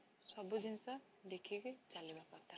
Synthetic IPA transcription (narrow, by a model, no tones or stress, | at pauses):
sɔbud͡ʒinsɔ | d̪ekʰiɡet͡ʃalibapɔɾt̪a